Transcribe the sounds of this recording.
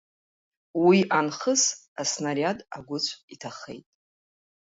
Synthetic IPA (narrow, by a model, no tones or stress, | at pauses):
wiʔanχəs | asnarjadʼaɡʷʊt͡sʷʼʰitʰaχe̞̰jtʼ